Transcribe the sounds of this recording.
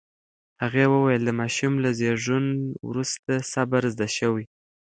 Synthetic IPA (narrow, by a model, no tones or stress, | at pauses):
haɣewəwajəld̪əmɑʃumlazeʒunwɾust̪asabaɾzd̪aʃawi